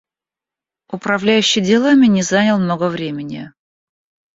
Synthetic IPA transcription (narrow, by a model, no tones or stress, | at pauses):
ʊpɾɐvlʲæjʉɕːɪjdʲɪlˠamʲɪnʲɪzanʲɪlˠmnoɡəvɾʲemʲɪnʲɪ̰